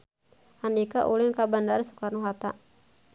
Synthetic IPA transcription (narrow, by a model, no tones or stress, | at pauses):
hanikaʔulɪŋkabandaɾisu̥karnuɦat̪a̰